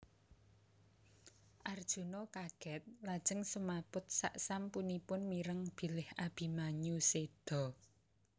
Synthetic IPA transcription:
ʔard̥ʒ̥ṳnokaɡ̥ɛt̪̚lad̥ʒ̥ə̤ŋsəmapʊt̪̚sa̰ʔsampunipʊnmiɾəŋb̥i̤lɪhab̥i̤maɲused̪̥ɔ̤

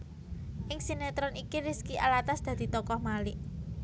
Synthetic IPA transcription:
ʔɪŋsinet̪ɾɔnikiɾiskiʔalat̪asd̪̥ä̤d̪̥i̤t̪ɔkɔhmalɪʔ

